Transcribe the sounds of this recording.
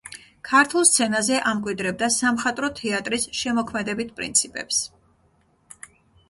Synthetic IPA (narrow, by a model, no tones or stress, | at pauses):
kʰaɾt̪ʰulˠst̪sʰɛnazɛʔamkʼwid̪ɾɛb̚d̪asamχat̪ʼɾɔt̪ʰɛat̪ʼɾisʃɛmɔkʰmɛd̪ɛbit̪̚ʰpʼɾḭnt̪sʰipʼɛ̰ps